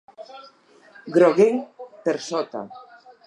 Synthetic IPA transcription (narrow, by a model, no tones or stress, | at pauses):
ɡɾoɣeŋpeɾsɔt̪a̰